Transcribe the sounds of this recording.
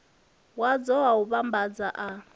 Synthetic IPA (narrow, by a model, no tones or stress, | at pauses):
wad͡zɔwauβambad͡zaʔa